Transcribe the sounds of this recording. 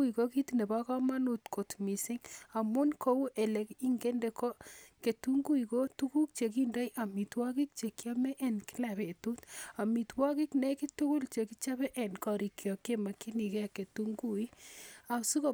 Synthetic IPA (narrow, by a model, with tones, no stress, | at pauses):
ui˨ko˦ki˦tne˨ba˦ka˦ma˦nu˨tko˨tmi˨sɪ˦ŋa˨mu˦nkʰo˦wu˦ʔɛ˨lɛ˨ki˦ŋɡe˦nde˨kɔ˦ke˨tu˦ŋɡu˦iko˦tu˦ku˦k̚t͡ʃe˨k̬i˦nda˦iʔa˨mi˨twa˦ki˦k̚t͡ʃe˨kja˦mɛ˦ʔɛ˦nki̥˦la˨βe˨tu˦ta˨mi˨twa˦ki˦knɛ˦ki˦tʊ˦kʊ˦lt͡ʃe˨ki˦t͡ʃa˦bɛ˦ʔɛ˨nkɔ˨ɾi˨kjɔ˨ke˦ma˨ki˦ni˨kɛ˦ke˨tu˦ŋɡu˦i˦a˨su˦ko˦